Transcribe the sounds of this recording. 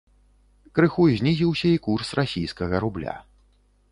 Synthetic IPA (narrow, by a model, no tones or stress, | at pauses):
kɾɨxuzʲnʲizʲiwsʲɐikursrasʲijskɐɣɐɾublʲa̰